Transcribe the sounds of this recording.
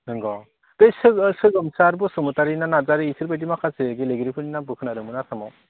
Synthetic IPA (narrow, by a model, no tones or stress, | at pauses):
ɯŋɡɔ | dɯjsɯksɯɡɯmsaɾbɔsɯmɯtaɾinanazaɾɯisɯɾbajdimakʰaseɡeleɡiɾipʰɯninabɯkʰɯnaɾɯmɯnatʰamɔw